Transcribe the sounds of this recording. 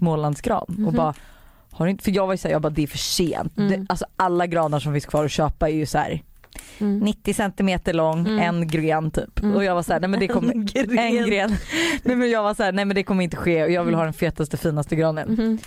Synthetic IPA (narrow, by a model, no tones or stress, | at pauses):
moːland̪sɡɾɑ̰ːd̪ɔbɑːɾa | haɖɵɪnfəjɑːɡvaɾjʏsæːjɑːɡbɑːd̪ɛæɾfœʂḛːnt̪d̪ɛʔalsɔʔalːaɡɾɑːnəʂɔmfɪnskʰvɑːɾɔɕøːpaɛɾjɵshæ̰ːɾ | nɪt̪ːɪsɛnt̪ɪmeːt̪əɭɔŋːɛnɡɾeːnt̪ʰy̰ːpɔjɑːɡvasahæːɳɛjmɛnd̪ɛkkʰɔmːəɾɛnɡɾeːnnɛjmɛnjɑːɡvashæːɳɛjmɛnd̪ɛkʰɔmːəɾɪnt̪əɧeːɔjɑːɡvɪlhɑːd̪ɛnfeːt̪ast̪əfiːnast̪əɡɾɑːnə̰n